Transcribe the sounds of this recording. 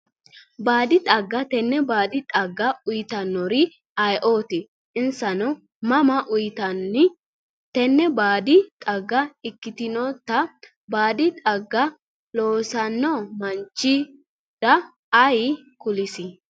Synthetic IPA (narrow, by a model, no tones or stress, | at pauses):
baːd̪ɪt̪ʼɐɡːɐt̪ɛnːɛbaːd̪ɪt̪ʼɐɡːɐʊjt̪ɐnːɔɾɪ | ɐjʔoːt̪ɪ | ɪnsɐnɔ | mɐmɐʔʊjt̪ɐnːɪ | t̪ɛnːɛbaːd̪ɪt̪ʼɐɡːɐɪkːɪt̪ɪnɔt̪ːɐ | baːd̪ɪt̪ʼɐɡːɐ | loːsɐnːɔmɐnt͡ʃːɪ | d̪̥ɐː | j | kʊlɪsɪ